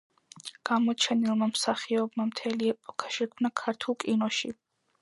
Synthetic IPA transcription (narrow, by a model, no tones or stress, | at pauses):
ɡ̥amɔt͡ʃʰɛnilˠmamsaχiɔbmamt̪ʰɛliɛpʼɔkʰḁʃɛkʰmnakʰaɾt̪ʰulˠkʼinɔʃi